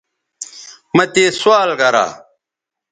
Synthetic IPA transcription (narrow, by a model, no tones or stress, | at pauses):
mɐt̪eːswaːlɡɐɾa̰ː